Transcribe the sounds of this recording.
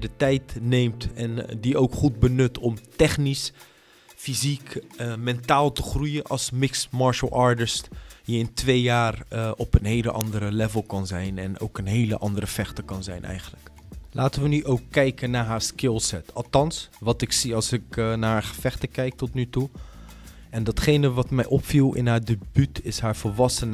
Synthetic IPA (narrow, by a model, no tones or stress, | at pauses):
dətɛjtnejmtɛndiowkχud̚bənɵtʰɔmtɛχnis | fizikmɛntaːlˠtəχrujənʔɑ̰lˠsmɪksmɑɹʃəlˠɑɹtɪstjəɪntʋejjaːrɔpənɦejləʔɑndəɾəlɛvəlˠkɑnzɛjnɛno̰wkənɦejləʔɑndəɾəfɛχtəkɑnzɛjnʔɛ̰jχənlək | lʔaːtənʋənyʔowkːɛjkənːaːɹɦaːɹskɪlˠsɛtɑlˠtɑnsʋɑtɪksiɑlˠsɪknaːaːɹχəfɛχtəkɛjk̚tɔtnytu | ɛndɑtχejnəʋɑtmɛjʔɔpfilˠɪ̰nɦaːɹdebytʰɪsɦaːɹvəlʋɑsən